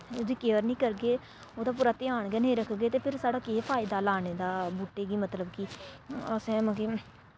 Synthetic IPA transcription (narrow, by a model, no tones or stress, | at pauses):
od̪iːkeːəɾnĩːkəɾɡeː | oːd̪aːp̬uːɾaːt̪ɪaːɳɡeːnəĩːɾəkʰɡeːt̪eːpʰɪɾsaːɽaːkeːpʰaːɪd̪aːlaːneːd̪aːbuːʈːeːɡiːmət̪ləbkiːəsɛ̃ːmə̃ːkiː